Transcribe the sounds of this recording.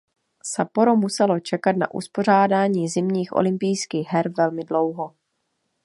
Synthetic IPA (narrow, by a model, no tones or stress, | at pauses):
sapoɾomusɛlo̞t͡ʃɛkat̪̚na̰ʔṵspo̞r̝aːdaːɲiːzɪmɲiːxʔo̰lɪmpɪjskiːɣɦɛɾvɛlmɪdlo̞wɦo